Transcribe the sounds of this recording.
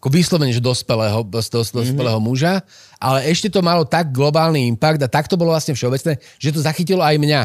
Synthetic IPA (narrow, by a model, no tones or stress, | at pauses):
akɔʋiːslɔʋɛɲɛʒɛd̪ɔspɛlɛːɦɔst̪sd̪ɔspɛlɛːɦɔmuʒa | ʔalɛɛʃcɛt̪ɔmalɔt̪aɡ̚ɡlɔbaːlniimpaɡd̪at̪akt̪ɔbɔlɔʋlasɲɛfʃɛɔbɛt͡snɛː | ʒ̥ɛt̪̬ɔzaxicilɔajmɲa